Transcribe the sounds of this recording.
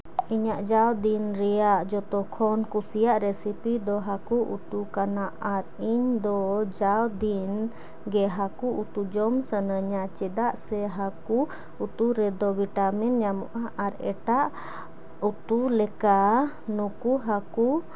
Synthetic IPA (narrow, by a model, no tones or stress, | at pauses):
iɲaʔd͡ʒawd̪inɾɛjaʔd͡ʒɔt̪ɔkʰɔnkusijaʔɾɛsipid̪ɔɦakuʔṵt̪ukanaʔaɾiɲd̪ɔd͡ʒawd̪in | ɡɛɦakuʔut̪ud͡ʒɔmsənəɲaʔt͡ʃɛd̪aʔsɛɦaku | ut̪uɾɛd̪ɔbiʈaminɲamɔʔaʔaɾɛʈaʔ | ut̪ulɛka | nukuɦaku